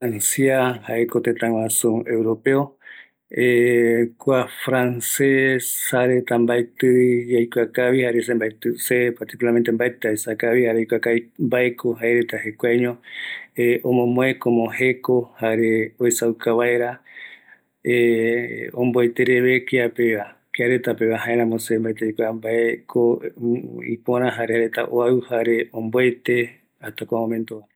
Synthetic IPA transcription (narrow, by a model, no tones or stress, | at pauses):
ansiahaʔekot̪ẽt̪ãw̃ãsũewɾo̞peo | ekʷafɾanseshaɾet̪ambajt̪ɨjajkʷakaβihaɾesembajt̪ɨsepaɾt̪ikulaɾme̞nt̪embaet̪aesakaβihaɾejkʷakaimbaekʰoɦaeɾet̪ahekʷaɲõeʔõmõmõekomohe̞ko̞haɾeoesawkaβaeɾa | e | õ̰mboet̪eɾeβe̞keapeβa | keaɾet̪apeβaɦãeɾãmõsembaet̪ejkʷambaekʰo | ḭpõɾ̃ãɦaɾehaɾet̪a̰ʔoaɨhaɾe̞õmboet̪e̞ | at̪akoamomẽnt̪o